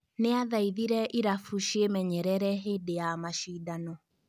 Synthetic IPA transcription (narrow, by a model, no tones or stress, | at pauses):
neaðaiðiɾɛʔiɾafuʃiemɛɲɛɾɛɾɛɦedejamaʃiːdanɔ